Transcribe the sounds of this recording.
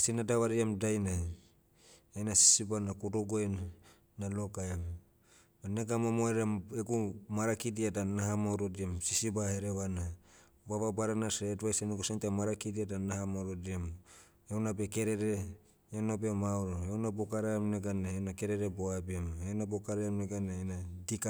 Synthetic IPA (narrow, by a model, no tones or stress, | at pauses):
sinadaβaɾiamdajna | enasi̥sibanakudoɡoenː | alokaam | aneɡamamoeɾaeɡumaɾakidiadanaɦamaɾodiamsisibaheɾeβana | baβabaɾanasetβajsenuɡusentemaɾakidiadanahamoɾodiem | eonabeke̞ɾeɾe | enobemawɾoewnabokaɾaamneɡaneenake̞ɾeɾeboabiemenabokaɾaamneɡanaenadika